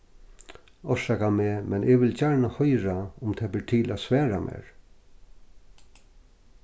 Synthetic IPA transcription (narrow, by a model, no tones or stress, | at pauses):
ɔʂakamɛːmʔɛnʔɪʋɪlt͡ɕaɹnahɔjɾaʊmt̪ʰɛːbɪt̪ʰɪlʔaːsʋɛːɹamʔɛ̰ːɹ